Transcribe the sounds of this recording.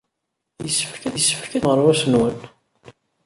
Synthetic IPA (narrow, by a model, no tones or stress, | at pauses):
jəsːəfkæðəsːə̥fkænʁəɾˤwæsənwən